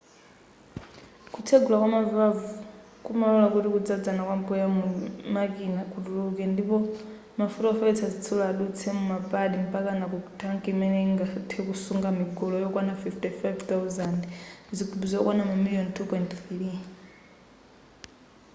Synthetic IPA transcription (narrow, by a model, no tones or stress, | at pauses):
kut͡sʰeɡulakwamavavu | kumalɔlakutikud͡zad͡zanakwampujamumak̬inakutuɾukɛndipɔ | mafutɔfɛisazit͡sʰɔlaːɗut͡sʰɛmumapʼaɗim̩pakanakutʰaŋkimɛnɛiŋɡatʰɛkusuŋɡamiɡɔlɔjɔkwanafiftifajvt̪awzandzikʰubuzɔkwanamamilijɔntʰupɔjntθɾi